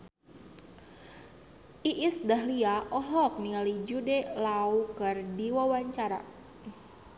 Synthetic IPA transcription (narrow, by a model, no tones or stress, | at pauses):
ʔiʔɪsdaɦliaʔɔɦɔk̚niŋalid͡ʒudelaukərdiwawaɲt͡ʃaɾa̰